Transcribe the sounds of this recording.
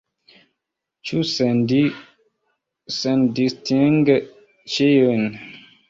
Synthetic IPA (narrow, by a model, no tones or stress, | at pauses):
t͡ʃusndi | səndistiŋɡə | t͡ʃejən